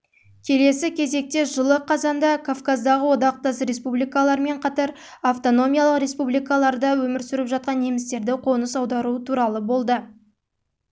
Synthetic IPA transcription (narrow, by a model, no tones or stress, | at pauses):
kʲʰe̞le̞sɪkʲʰe̞ze̞k̚t̪e̞ʒəlˠəqʰɑzɑnd̪ɑkʰafkazd̪ɑʁəwo̞d̪ɑq̚t̪ɑsɾe̞spublijkalˠɑɾme̞ɴqʰɑt̪ɑɾ | aft̪o̞no̞mʲijalˠəqɾe̞spublijkalˠɑɾd̪əwɵmɪɾsʏɾɪpʒɑt̪̚qɑnemɪst̪e̞ɾd̪ɪqʰo̞nəsɑwd̪ɑɾuət̪ʰuɾɑlˠəbo̞lˠd̪ə